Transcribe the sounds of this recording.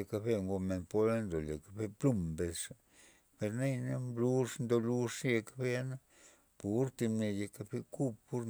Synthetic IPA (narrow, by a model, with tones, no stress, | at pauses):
e˧ka˧be˧ŋɡo˧me˧˨npo˦la˦nd̪o˨le˨ka˧be˧plu˦˧mbe˧ʂa˧ | pe˧ɾna˦jna˦mblu˦ʂnd̪o˧lu˦ʂje˧kḁ˦be˦a˦na˦ | pu˨ɾt̪i˧mne˧je˧ka˧be˧ku˦ppːu˦ɾ